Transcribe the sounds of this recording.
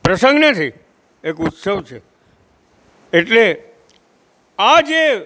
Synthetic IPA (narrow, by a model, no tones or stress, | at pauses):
pɾəsə̃ŋɡnet̪ʰi | ekut̪səʋt͡ʃʰe | eʈle | ad͡ʒe